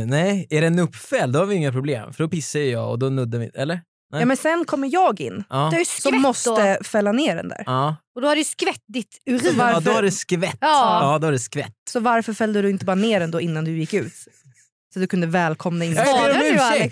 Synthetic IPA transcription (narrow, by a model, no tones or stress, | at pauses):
nɛjæɖɛnɵpːfɛlːd̪ɔhaɾvɪɪŋːapʰɾʊblḛːmfœɖɔpɪsːajəjɑ̰ːɔ̰d̪ɔnɵd̪ːamɪ̰ɛlːəɾ | ɛɑːmɛnsɛnkʰɔmːəɾjɑːɡɪ̰nːɑːhajssɔmːɔst̪əfɛlːaneːɾɛ̰nd̪æ̰ːɾɔd̪ɔhadɖɛskvɛt̪̚ːd̪ɪt̪ʉɾiaɾd̪ɔhadɛskvɛt̪ːɑːd̪ɔadɛskvɛt̪ːsɔvaɾfœɾfɛld̪əd̪ɵɪnt̪əbɑːɾaneːɾɛnd̪oːɪnːand̪ɵjɪkːʉ̟ːt̪ | sat̪̚d̪ɵkɵnd̪əvɛːlkʰɔmnaɪnː | ɛ